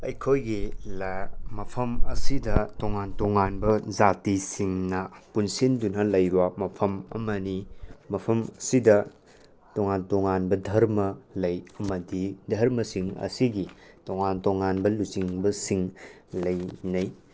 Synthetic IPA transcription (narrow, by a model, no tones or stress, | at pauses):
ɐjkʰojɡilmɐpʰɐmɐsidɐtoŋantoŋanbɐd͡ʒatisiŋnɐpunsindunɐlɐjwamɐpʰɐmɐ̰mɐnimɐpʰɐmɐsidɐ | toŋantoŋanbɐdʱɐɾmɐlɐjɐmɐdidʱɐɾmɐsiŋɐ̰siɡi | toŋantoŋanbɐlut͡ʃiŋbɐsiŋ | lɐjnɐj